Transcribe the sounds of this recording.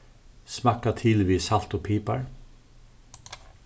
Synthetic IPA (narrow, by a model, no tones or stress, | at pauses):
smakat̪ʰɪlʋiːsal̥t̪ɔpʰiːpa̰ɹ